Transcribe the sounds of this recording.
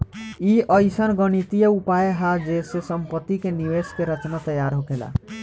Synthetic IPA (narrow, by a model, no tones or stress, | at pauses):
iʔəjsənɡəñit̪ijəupajeɦad͡ʒesesəmpət̪ːikeniʋeskeɾət͡ʃnat̪əjaɾɦokela̰